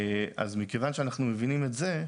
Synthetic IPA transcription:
a̰zmikevanʃeanaχnumevinimetze̞

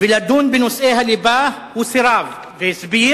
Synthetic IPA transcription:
bɪlad̪uːnbɪnʊsʔeːhalɪbaːh | wɪsɪɾˤaːv | vesbiː

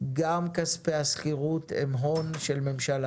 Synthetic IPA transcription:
ɡamkaspeaskiʁut̪emɦo̞nʃelme̞mʃala

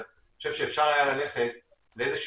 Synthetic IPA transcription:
oʃe̞vʃeːfʃaʁajalale̞χe̞t̪̚ | leezeʃ

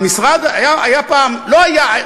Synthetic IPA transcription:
misʁad̪ajaajapaːmloaja

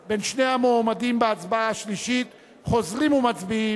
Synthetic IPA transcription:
be̞nʃne̞amoːmadimbeat͡sbaaʃliʃit̪ | χo̞zʁimumat͡sbi

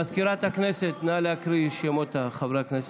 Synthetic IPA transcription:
ɐskiɾat̪akneset̪nalakɾiʃemot̪axɐbɾakʰnes

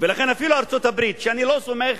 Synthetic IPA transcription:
velaxenafiluaɾt͡sot̪abɾit̪ʃeanilosomeχ

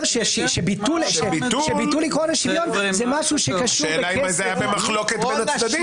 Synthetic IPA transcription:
ʃeʃʃebit̪ulʃeiuʃebit̪ulikʁonaʃivjo̞nzɛmaʃuʃekaʃuʃeːleaimazajabemaχloket̪benad̪ad̪i

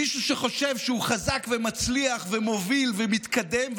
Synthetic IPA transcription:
iʃuʃeχo̞ʃevʃɛhuχazakvemat͡sliaχvemo̞vilvemit̪kad̪emv

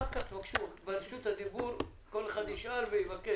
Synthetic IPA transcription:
akat̪vakʃut̪balʃut̪had̪ibuɾ | ko̞leχad̪iʃʔaɾvejivake

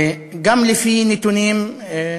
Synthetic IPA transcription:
ɡamlifinit̪uniːm

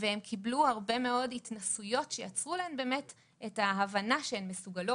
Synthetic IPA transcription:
veemkʰibluhaʁbe̞me̞o̞ditnasujo̞tʃejat͡sʁulaembe̞ːmet | ethaɦavanaʃeemːesuɡalo

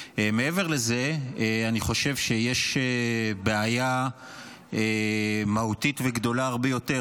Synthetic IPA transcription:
emeeveʁlezeeaniχo̞ʃe̞vʃejeʃebeaja | emahutitveɡd̪o̞laaʁbejo̞te

